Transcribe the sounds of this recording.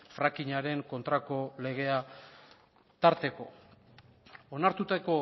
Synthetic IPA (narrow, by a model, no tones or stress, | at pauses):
fɾakiɲaɾe̞ŋko̞nt̪ɾako̞le̞ɣ̞e̞a | t̪aɾt̪e̞ko̞̰ | onaɾt̪ut̪ako̞